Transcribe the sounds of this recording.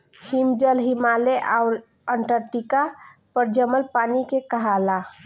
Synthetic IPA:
himd͡ʒəlɦimaleʔaʊɾ | əɳʈəɾʈikapəɾd͡ʒəməlpaːnikekəɦala

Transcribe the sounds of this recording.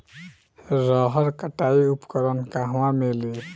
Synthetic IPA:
ɾəɦəɾkəʈaiupkəɾənkaɦwãmeli

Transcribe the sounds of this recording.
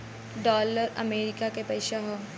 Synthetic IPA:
ɖɔːləɾɐmeːɾɪkakepɛɪʃaɦoː

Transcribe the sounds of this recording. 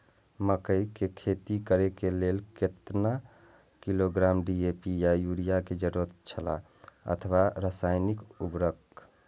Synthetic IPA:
məkəikekʰet̪ikəɾekeleːlket̪na | kiloɡɾamɖiepijajuɾijaked͡ʒəɾuət̪t͡ʃʰəla̰ | ə̰t̪ʰəʋaɾəsaɪnikubɾək

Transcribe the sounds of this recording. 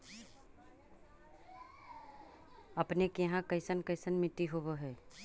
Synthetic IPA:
ɐpnekɪɦãkəɪsənkəɪsənmɪʈ̪ːiɦoboɦɛː

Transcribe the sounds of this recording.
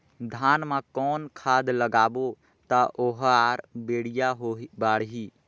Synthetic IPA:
d̪ʱaːnmãkɔːnkʰaːd̪ləɡaːbo | t̪aʔoɦaːɾbeːɽ̤ijaɦobaːɽɦiː

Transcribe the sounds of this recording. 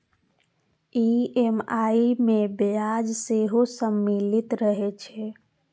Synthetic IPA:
iemaimebad͡ʒseɦosəmːilit̪ɾəɦet͡ʃʰɛ

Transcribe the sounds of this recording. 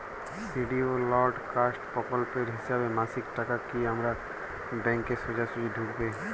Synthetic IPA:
siɖiolɔɾɖkaːsʈpɔkɔlpeɾɦɪsaːbemãːsikʈakakːiɦəmɾa | bɛ̃ŋkːesod͡ʒasuid̪ʱukbe

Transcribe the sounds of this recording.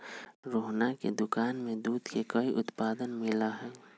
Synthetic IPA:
ɾoːɦnakḛd̪ʊkaːnmẽd̪uːd̪kekɐiʔʊt̪paːd̪ənmɪlaɦɛː

